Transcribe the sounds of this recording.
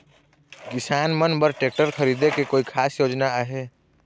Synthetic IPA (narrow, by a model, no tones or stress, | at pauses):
kɪsaːnmənbəɾʈeːk̚ʈəɾkʰəɾiːd̪ekekoːikʰaːsjoːd͡ʒnaaɦeː